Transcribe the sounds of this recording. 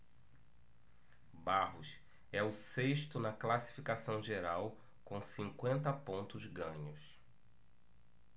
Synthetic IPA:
baɦʊs | ɛʊseʃt̪ʊnɐklasi̥fikasɐ̃w̃ʒeɾaw | kõw̃sĩŋkwẽnt̪ɐpõnt̪ʊzɡɐ̃ɲʊs

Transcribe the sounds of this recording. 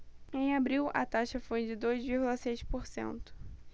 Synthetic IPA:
ẽj̃abɾiwɐ̰t̪aʃɐfojd͡ʒɪd̪ojzviɾɡulɐset͡ʃpoɾsḛ̃nt̪ʊ̥

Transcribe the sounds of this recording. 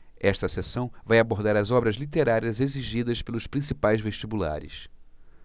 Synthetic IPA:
ɛʃt̪ɐsesɐ̃w̃vajaboɾd̪aɾɐzɔbɾɐzlit̪eɾaɾiɐzeziʒid̪ɐspelʊspɾĩsipajzveʃt͡ʃibula̰ɾɪ̰s

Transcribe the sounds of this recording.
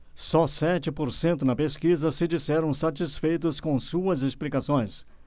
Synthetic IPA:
sɔsɛt͡ʃɪpoɾsẽnt̪ʊnɐpeskizɐsɪd͡ʒisɛɾɐ̃w̃sat͡ʃisfejt̪ʊskõw̃suɐzesplikasõj̃s

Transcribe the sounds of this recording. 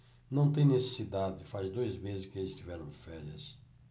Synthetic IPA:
nɐ̃w̃t̪̬ẽj̃nese̥sid̪ad̪ɪfazd̪ojzmezɪskɪelɪst̪ivɛɾɐ̃w̃fɛɾiɐ̰s

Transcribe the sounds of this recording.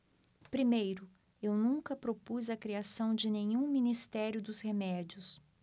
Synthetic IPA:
pɾimejɾʊ | ewnũkɐpɾopuzɐkɾiasɐ̃w̃d͡ʒɪnẽɲũminist̪ɛɾjʊd̪ʊzhemɛd͡ʒiʊs

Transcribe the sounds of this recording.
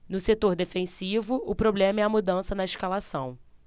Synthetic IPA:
nʊset̪oɾd̪efẽsivʊʊpɾoblẽmɐɛɐmud̪ɐ̃sɐnɐɪʃkalasɐ̃w̃

